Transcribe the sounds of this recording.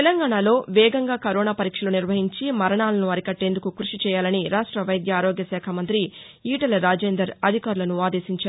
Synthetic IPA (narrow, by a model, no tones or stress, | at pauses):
t̪elɐŋɡaːɳaːlo̞ːʋɛːɡɐŋɡaːkɐɾoɔːnaːpɐɾiːkʂɐloːniɾʋɐɦiɲt͡ʃimɐɾɐɳaːlɐnuɐɾikɐʈːe̞ːnd̪ukukɾuʂit͡ʃɛːjaːlɐniɾaːʂʈɾɐʋɐjd̪jɐːɾoːɡjɐsɛːkʰamɐnt̪ɾi | iːʈɐlɾaːd͡ʒeːnd̪ɾɐɾɐd̪ʱikaːɾulɐnuaːd̪e̞ːʃiɲt͡ʃaːu